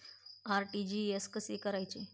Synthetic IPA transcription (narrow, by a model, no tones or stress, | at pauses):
aɾʈid͡ʑieskəsekəɾajt͡ɕe